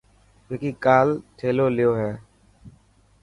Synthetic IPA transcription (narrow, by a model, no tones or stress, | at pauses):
eːkiːkaːlʈʰeːloːlɪjoːɦɛː